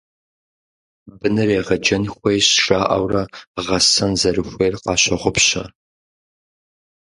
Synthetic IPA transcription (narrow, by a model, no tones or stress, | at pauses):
bɨnɨreːʁɐd͡ʒɐnxʷejɕʂaːʔɐ̰wrɐʁɐsɐnzɐrɨxʷejrqɑ̰ːɕɐʁʷʊpɕɐ̰